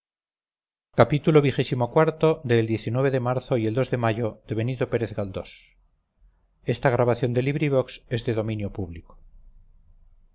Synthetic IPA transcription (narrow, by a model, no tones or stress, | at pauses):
kapit̪ulo̞β̞ixe̞simo̞kwaɾt̪o̞ðe̞ld̪je̞θinweβeðe̞maɾθo̞ie̞ld̪o̞zðe̞maʝo̞ðe̞βe̞nit̪o̞pe̞ɾeθɣald̪o̞s | e̞st̪aɣ̞ɾaβaθjo̞nd̪e̞liβɾiβ̞o̞kse̞zðeðo̞mĩnjo̞puβliko̥